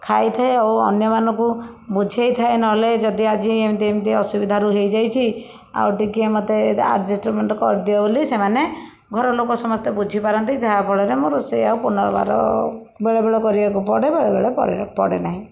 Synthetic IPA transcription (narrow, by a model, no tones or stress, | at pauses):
kʰajt̪ʰaeawɔ̰njɔmanɔŋku | bud͡ʒʱejt̪ʰaenɔɦled͡ʒɔd̪iad͡ʒiemd̪iemt̪iɔsubid̪ʱaɾuɦejd͡ʒajt͡ʃʰi | a̰wʈikemɔt̪ea̰ɾʈd͡ʒisʈɾuɾmeɳʈɔkɔːɾd̪jɔbolisemane | ɡʱɔɾɔlokɔsɔmɔst̪ɔbud͡ʒʱipaɾɔnt̪id͡ʒaapɔɽɔɾemoɾusejawpunɔɾɔ̰ba̰ɾɔ̰ | beɭebeɭɔkɔɾibakupɔɽebeɭebeɭepɔ̰pɔ̰ɽḛnaɦĩ